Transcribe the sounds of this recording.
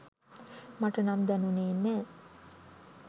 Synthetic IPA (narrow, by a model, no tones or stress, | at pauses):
maʈənamd̪ænuneːnːæː